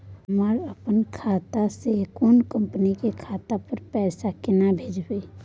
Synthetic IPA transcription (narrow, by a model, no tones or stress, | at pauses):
ɦəməɾəpənkʰaːt̪asekonkəmpənikekʰaːt̪apəɾpɛːsakɪnabʱeːd͡ʒbi